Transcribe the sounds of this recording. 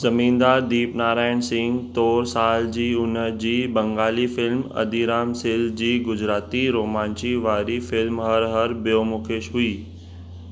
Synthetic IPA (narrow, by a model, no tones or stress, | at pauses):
zɐmĩːnd̪aːd̪iːpnaːɾaːɪɽ̃sɪ̃ŋɡt̪oːɾsaːld͡ʑiːʊnəd͡ʑiːbɐ̃ŋɡaːlifɪlmɐ̰d̪iɾaːmsɪld͡ʑiːɡʊd͡ʑɾaːt̪iɾoːmãːnt͡ɕiʋaːɾifɪlmɦɐɾɦɐɾbijoːmʊkʰeːʃɦʊiː